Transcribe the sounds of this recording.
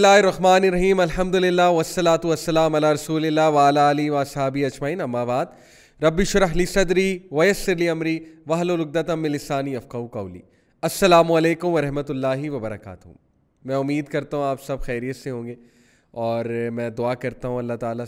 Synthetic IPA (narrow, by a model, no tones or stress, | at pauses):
lːaːɦɪɾːɐɦmaːneɾɐɦiːmɐlɦɐmd̪ʊlɪlːaːʋɐsːɐlaːt̪uʋɐsːɐlaːmɐlaːɾɐsuːlɪlːaːʋaːlaːliʋaːsɦaːbiɐd͡ʒmaːiːnɐmːaːbaːd̪ | ɾɐbːiʃʊɾɐɦlisɐd̪ɾiʋɐjɐsːɪɾliɐmɾiʋɐɦlolʊɡ̚d̪ɐt̪ɐmːɪlɪsaːniɐfkɐukɐːlḭː | ɐsːɐlaːmuɐleːkʊmʋɐɾɐɦmɐt̪ʊlːaːɦiʋɐbɐɾɐka̰ːt̪ɦuʊ̰̃m | mɛ̃ʊmːiːd̪kɐɾt̪aɦũaːpsɐbxɛːɾijət̪seɦõːŋɡeː | ɔːɾmɛ̃ːd̪ʊaːkɐɾt̪aɦũɐlːat̪aːla